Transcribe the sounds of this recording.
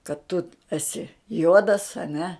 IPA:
kɐt tʊ ɛˈsʲɪ ˈjuɔdɐs ɐ ˈnʲɛ

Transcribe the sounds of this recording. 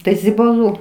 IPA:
ˈtɐɪ zʲɪbɐˈlˠuː

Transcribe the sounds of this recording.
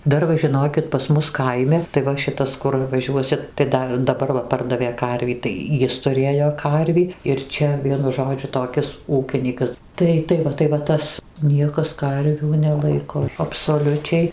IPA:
ˈdɐr ʋɐ ʒʲɪˈnoːkʲɪt pɐs ˈmʊs ˈkɐɪmʲɪ tɐɪ ˈʋɐ ˈʃʲɪtɐs ˈkʊr ʋɐˈʒʲuɔsʲɪt tɐɪ ˈdɐ dɐˈbɐr ʋɐ ˈpɐrdɐʋʲeː ˈkɐrʲʋʲiː tɐɪ ˈjɪs tʊˈrʲeːjoː ˈkɐrʲʋʲiː ɪr ˈt͡ʃʲɛ ˈʋʲiɛnʊ ˈʒoːd͡ʒʲʊ toːˈkʲɪs ˈuːkʲɪnʲiːkɐs ˈtɐɪ ˈtɐɪ ʋɐ tɐɪ ʋɐ ˈtɐs ˈnʲiɛkɐs ˈkɐrʲʋʲuː nʲɛˈlˠɐɪkoː ɐpsoːˈlʲʊt͡ʃʲɛɪ

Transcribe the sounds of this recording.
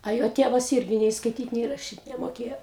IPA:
ɐ ˈjoː ˈtʲeːʋɐs ˈɪrʲɡʲɪ nʲɛɪ skɐɪˈtʲiːt nʲɛɪ rɐˈʃʲiːt nʲɛmoːˈkʲeːjoː

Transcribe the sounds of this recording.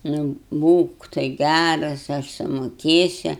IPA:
nʊ ˈbuːk tɐɪ ˈɡʲærɐs ɐʃ sʊmoːˈkʲeːsʲʊ

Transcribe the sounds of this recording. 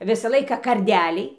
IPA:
ˈʋʲɪsɐ ˈlˠɐɪkɐ kɐrʲˈdʲæːlʲɛɪ

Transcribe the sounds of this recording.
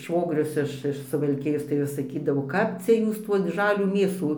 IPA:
ˈʃʋoːɡrʲʊs ɪʃ ɪʃ sʊʋɐlʲˈkʲɪjoːs tɐɪ ˈʋʲɪs sɐˈkʲiːdɐʋoː ˈkɐp t͡sʲɛ ˈjuːs tuː ˈʒɑːlʲuː ˈmʲeːsuː

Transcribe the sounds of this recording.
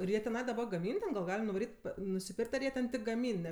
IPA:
ɪr ˈjiɛ tʲɛˈnɐɪ ɡɐˈmʲiːn tʲɛn ɡɐlˠ ˈɡɑːlʲɪm nʊʋɐˈrʲiːtʲ nʊsʲɪˈpʲɪrʲkʲtʲ ɐr ˈjiɛ tʲɪk ɡɐˈmʲiːn ˈnʲɛ

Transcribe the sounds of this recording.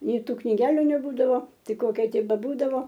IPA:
ˈnʲɛɪ ˈtuː knʲɪˈɡʲæːlʲʊ nʲɛˈbuːdɐʋoː ˈtɐɪ ˈkoːkʲɛ ˈtʲɪk bʲɛˈbuːdɐʋoː

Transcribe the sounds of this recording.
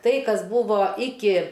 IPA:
ˈtɐɪ ˈkɐs ˈbuːʋoː ˈɪkʲɪ

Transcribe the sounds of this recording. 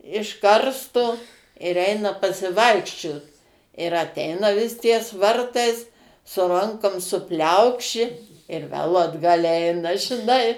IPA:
ɪʃ ˈkɐrstʊ ɪr ˈɛɪnɐ pɐsʲɪˈʋɐɪkʃʲt͡ʃʲoːt ɪr ɐˈtʲɛɪnɐ ʋʲɪs tʲiɛs ˈʋɐrtɐɪs sʊ ˈrɐŋkoːm sʊˈpʲlʲɛʊkʃʲɪ ɪr ʋʲɛlˠ ɐdˈɡɐlʲ ˈɛɪnɐ ʒʲɪˈnɐɪ

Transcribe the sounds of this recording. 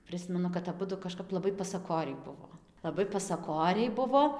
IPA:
ˈprɨsʲmʲɛnʊ kɐt ɐˈbʊdʊ kɐˈʃkɐp lˠɐˈbɐɪ pɐsɐˈkoːrʲɛɪ ˈbʊʋoː lˠɐˈbɐɪ pɐsɐˈkoːrʲɛɪ ˈbʊʋoː

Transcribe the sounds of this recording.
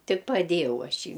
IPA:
ˈtʲɪk pɐˈdʲeːjɛʊ ˈɐʃ ɪ

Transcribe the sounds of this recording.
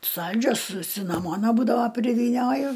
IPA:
ˈsɐlʲd͡ʒʲoːs sʊ sʲɪnɐˈmoːnɐ ˈbuːdɐʋɐ pʲrʲɪʋʲiːˈnʲoːjʊ

